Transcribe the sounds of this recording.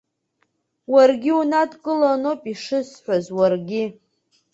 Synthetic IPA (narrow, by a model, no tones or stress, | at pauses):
warɡʲiunadkʼɨlanopʼiʂɨsħʷazwarɡʲɪ